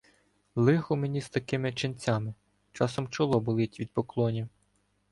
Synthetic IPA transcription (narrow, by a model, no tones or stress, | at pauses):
lˠɪxʊmenʲizt̪ɐkɪmɪt͡ʃɪnʲt͡sʲamɪ | t͡ʃɑsɔmt͡ʃɔlˠɔbʊlˠɪtʲʋʲid̪̚pɔklˠɔnʲi